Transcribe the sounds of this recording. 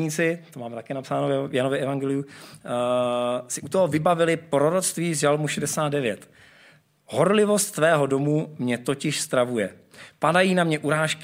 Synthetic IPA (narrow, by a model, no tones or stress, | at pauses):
ɲiːt͡sɪt̪omaːmɛt̪akɛːnapsaːnojanovɪɛvaŋɡɛlɪu | sɪʔut̪oɦovɪbavɪlɪpɾo̞ɾot͡sst̪viːzʒalmuʃɛdɛsaːt̪̚dɛvjɛt̪ | ɦo̞ɾlɪvo̞st̪ːvɛːɦo̞do̞mumɲɛt̪o̞cɪʃst̪ɾavujɛ | padajiːnamɲɛʔuɾaːʃk